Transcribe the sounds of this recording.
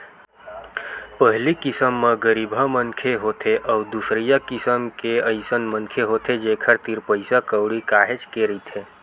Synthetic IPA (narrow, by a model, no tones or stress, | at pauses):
pəɦlikɪsəmːeɡəɾiːbʱəmənkʰeɦot̪ʰeʔəʊd̪usɾijakɪsəmkeəɪsənmənkʰeɦot̪ʰed͡ʒeːkʰəɾt̪iɾpəɪsakəʊɽikaːɦet͡ʃkeɾəit̪ʰe